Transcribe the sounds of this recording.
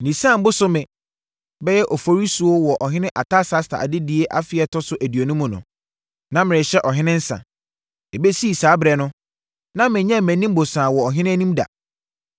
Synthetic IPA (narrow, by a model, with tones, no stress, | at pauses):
nĩ˨sã˦˨m˦bʊ˦sʊ˦mɪ̃˨ | bɛ˦jɛ˦ʔɔ˨fo˨ɾi˦su˨o˦wɔ˨ʔɔ˨ɦɪ̃˦nɪ̃˦ʔa˨tʰa˦sa˦stʰa̰˨a̰˨dɪ˦di˨e˦ʔa˦fɪ˨˦ɛ˨tʰɔ˦sʊ˨˦ʔæ˨di˨o˨nũ˦mʊ̃˨nʊ̰̃˨ | nã˦mɪ̃˨ɪ̃˨ɕɛ˦ʔɔ˨ɦɪ̃˦nɪ̃˦n̩˦sã̰˨ | e˨be˦si˦˨saː˨˦bɾɛ˨nʊ̃˦ | nã˦mɪ̃˨˦ɲɛ̃˦˨mæ̃˨nĩ˦m̩˦bo˨sãː˨wɔ˨ɔ˨ɦɪ̃˦nɪ̃˦æ˦nĩ˦mda̰˨